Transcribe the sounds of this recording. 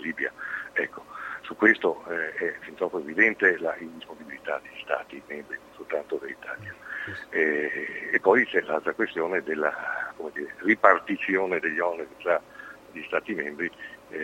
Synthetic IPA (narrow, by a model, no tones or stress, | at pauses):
liːbja̰ɛkːo̥sukːwest̪oɛɛfint̪ɾɔpoevid̪ɛnt̪elaind̪isponibilit̪a̰d̪eʎːist̪a̰ːt̪imembɾinonsolt̪ant̪od̪elːit̪ʰaːljaɛepːɔjt͡ʃɛlalt̪ɾakwest̪joːned̪elːa̰komed̪iːɾeripart̪it̪sjoːned̪eʎːɔneɾit̪ɾa | ʎist̪aːt̪imembɾi